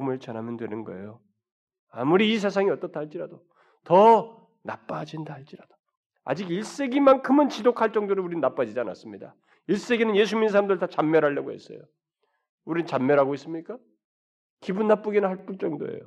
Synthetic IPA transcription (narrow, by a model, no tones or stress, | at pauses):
mɯɭt͡ɕʌnɦamjʌndwe̞nɯnɡʌ̰ḛjo | amuɾiːs̬ʰes̬ʰaŋiʌt͈ʌtʰeaɭt͡ɕ͈iɾado | tʌ | nap͈ad͡ʑindaɦaɭt͡ɕ͈iɾad̥o̥ | a̰d͡ʑiɡiɭs͈e̞ɡimankʰɯmɯnt͡ɕidokʰaɭt͡ɕ͈ʌŋdoɾɯuɾinnap͈ad͡ʑid͡ʑiana̰s͈ɯmɲida̰ | iɭs͈e̞ɡinɯnje̞s̬ʰuɲins̬ʰaɾamdɯɾɯɭtat͡ɕamːjʌɾɦaɭːʌɡo̰e̞̰s͈ʌ̰jo̰ | uɾinɯnt͡ɕamːjʌɾɦaɡois͈ɯmɲik͈a | kibunːap͈uɡinɯnhaɭp͈uɭt͡ɕ͈ʌŋdo̰ḛjo